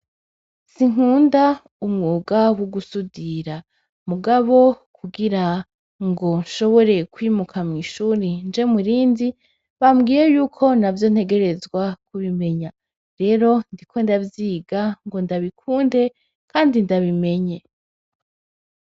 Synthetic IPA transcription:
siŋ̥uːnda | umŋuːɡawuɡusudiɾa | muɡaβo̞ | kuɡiɾa | ŋɡo̞nʃo̞βo̞ɾe̞kwiːmukʰamŋiːʃuːɾind͡ʒe̞muɾiːndi | βamɡiːɾe̞juːkʰo̞navjo̞n̥he̞ɡe̞ɾe̞zɡwak̚uβime̞ɲa | ɾe̞ːɾo̞ndikʰo̞ndavjiːɡaŋɡo̞ndaβikʰuːnde̞ | kaːndindaβime̞ɲe̞

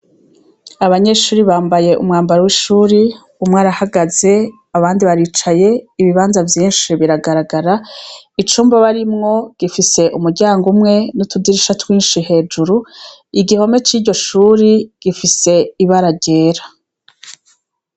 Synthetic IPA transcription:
aβaɲe̞ʃuːɾiβaːmbaje̞ʔṵmŋaːmbaɾowiʃuːɾi | umŋaːɾahaɡaze̞ | aβaːndiβaɾiːt͡ʃaje̞iβiβaːnzavjiːnʃiβiɾaɡaɾaɡaɾait͡ʃuːmbaβaɾimŋo̞ɡ̥ifise̞ʔumuɾɟaːŋɡumŋe̞nutʰudiɾiʃatwiːnʃiɦe̞ːd͡ʒuɾuiɡiho̞me̞t͡ʃiːɾɟo̞ʃuːɾiɡ̥ifise̞iβaɾaɟe̞ːɾa

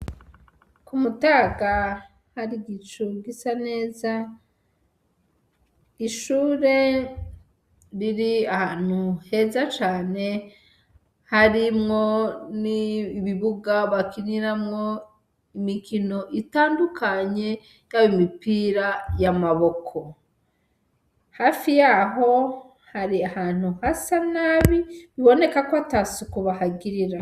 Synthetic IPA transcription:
kumutaːɡa | haɾiɡit͡ʃuɡisane̞ːza | iʃuːɾe̞ | ɾiɾiahaːn̥huhe̞ːzat͡ʃaːne̞ | haɾimŋo̞niːβiβuɡaβakiniɾamŋo | imikino̞ʔitaːndukaɲe̞ | nawimipiːɾajamaβo̞kʰo̞ | haːfijaɦo̞ | haɾiahaːn̥uhasanaβiβiβo̞ne̞kakoatasukuβahaɡiɾiɾa

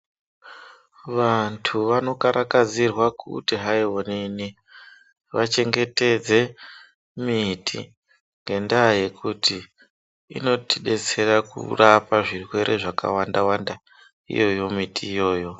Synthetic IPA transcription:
ʋantʰuʋano̞kaɾakad͡zirwakṵtiɦaiwonini | ʋat͡ʃe̞ŋɡe̞te̞d͡ze̞ | mitʰḭ | ŋɡe̞ndaje̞kʰutḭː | no̞tiɗe̞t͡se̞rakṵrapaʐirwe̞ɾʔe̞̰ʐaka̰wandawanda | ḭjo̞jo̞mitʰiːjo̞ːjo̞

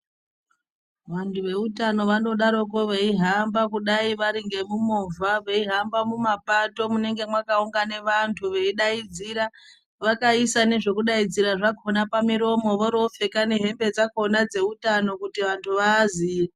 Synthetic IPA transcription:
ʋantʰuʋe̞utano̞ʋano̞ɗaɾo̞k̬oʋeiɦambakuɗaiʋaɾiŋɡe̞mumovaʋe̞iɦambamumapato̞mune̞ŋɡe̞mwakauŋɡane̞ʋantʰuʋe̞iɗaid͡ziɾa | ʋakaisane̞ʐe̞kuɗaid͡ziɾaʐakonapamiɾo̞mo̞ʋoɾo̞fe̞kaneɦe̞mbe̞d͡zakonad͡ze̞utano̞kutiʋantʰuʋaːziːa

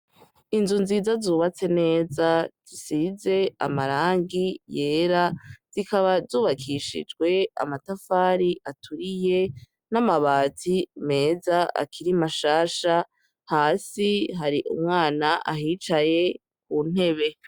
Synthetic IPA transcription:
inzunziːzazuːβat͡se̞ne̞ːzaz̥isize̞a̰maɾaːŋɡije̞ːɾaz̥ikaβazuːβakʰiʃḭd͡ʒɡwe̞a̰matafaːɾiʔatʰuɾije̞ | namaβaːtʰime̞ːzaa̰kʰiɾimaʃaːʃa | haːsiɦaɾiʔṵmŋaːnaʔaɦiːt͡ʃaje̞ | k̚uːn̥e̞βe̞

